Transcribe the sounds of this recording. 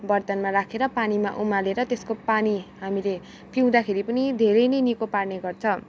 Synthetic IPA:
bʌrt̪ʌnmaɾakʰeɾʌpanima̰ʔumaleɾʌt̪eskopaniɦamile | pʰiw̃d̪akʰeɾipʌnid̪ʱeɾʌjnʌjnikoparneɡʌrt͡sʰʌ

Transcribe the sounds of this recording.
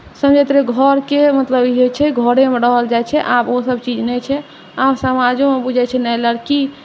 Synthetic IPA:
səmd͡ʒʱɛt̪ɾeɡʱəɾkemət̪ləbiɦojt͡ʃʰɛɡʱəɽẽmeɾəɦəld͡ʒajt͡ʃʰɛʔabosəbt͡ʃid͡ʒnɛt͡ʃʰɛ | absəmad͡ʒõmebud͡ʒʱɛt͡ʃʰɛnɛləɽki

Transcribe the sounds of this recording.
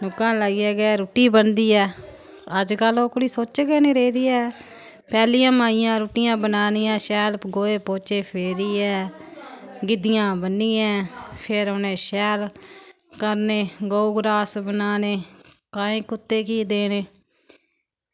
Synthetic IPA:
nʊkːãːləiːɛːɡɛːɾuːʈiːbənd̪iːɛː | əd͡ʒkəlõːkoɽiːsoːt͡ʃɡɛːneːɾeːd̪iːɛː | pɛːlijãːmaːijãːɾuːʈɪjãːbənaːniːãːʃɛːlɡoːeːpoːt͡ʃeːpʰeːɾiːɛː | ɡɪd̪ɪjãːbənːĩːɛ̃ːpʰɪɾonẽːʃɛːl | kəɾneːɡouɡɾaːsbənaːneː | kaːĩːkʊt̪ːeːkiːd̪eːneː

